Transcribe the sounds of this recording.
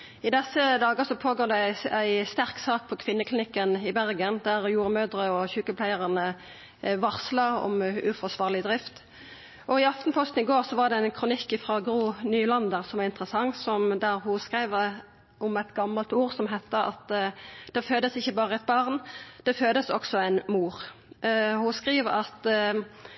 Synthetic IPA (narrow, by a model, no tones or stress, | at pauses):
ɪd̪ɛsːəd̪ɑːɡəsɔpʰoːɡoːʁd̪ɛæɪst̪æʁksɑːk̚pʰɔkʰʋɪnːəkʰlɪnɪkːənɪbæʁɡənd̪æʁjuːɾmøːd̪ɾəɔçʉːkəpʰlæɪəʁɑnə | ʋɑʁslɑɔ̰mʉfɔsʋɑːʁlɪd̪ʁɪft̪ | ʔɔɪɑfnpʰɔst̪n̩ɪɡoːʁsɔʋɑʁd̪ɛæɪnkʰɾʊnɪkːɪfɾɑːɡʁuːnyːlɑnd̪əʁsɔmɑɪnt̪ʁəsɑŋsɔmd̪æɾhʊskʁæɪʋ | ʔɔmɛt̪ɡɑmːɑlt̪uːʁsɔmɦɛt̪ːəʔɑ̰t̪d̪̥ɛføːd̪əsɪçːəbɑːʁəɛt̪̚bɑʁnd̪̥ɛføːd̪əsɔksɔæɪnmuːʁ | hʊskʁiːʋəɾɑt̪